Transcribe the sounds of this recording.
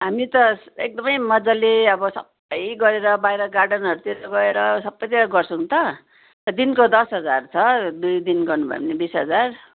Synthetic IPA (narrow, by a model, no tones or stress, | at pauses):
ɦamit̪ʌek̚d̪ʌmʌjmʌd͡zaleʌbʌsʌ̰b | ʌjɡʌɾeɾʌbajɾʌɡarɖʌnɦʌɾut̪iɾʌɡʌeɾʌsʌbːʌjt̪iɾʌɡʌrt͡sʰʌũt̪ʌ | t̪ʌd̪inkod̪ʌsɦʌd͡zart͡sʰʌd̪ujd̪inɡʌrnubʱʌ̰j̰mnebisɦʌd͡zar